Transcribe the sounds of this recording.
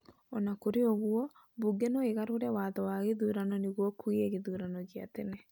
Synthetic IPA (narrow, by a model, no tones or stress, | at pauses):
ɔnakoɾeoɣuɔ | buɡɛnɔeɣaɾoɾɛwaðɔwaɣeðuːɾanɔneɣwɔkuiɛɣeðuɾanɔɣia̰tenɛ